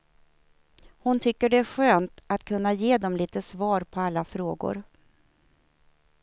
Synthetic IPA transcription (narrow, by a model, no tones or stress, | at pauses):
hʊnt̪ʰʏkːəɖɛæɧøːnt̪at̪kʰɵnːajeːd̪ɔmliːt̪əsvɑːɾpʰɔalːafɾoːɡʊ̰ɾ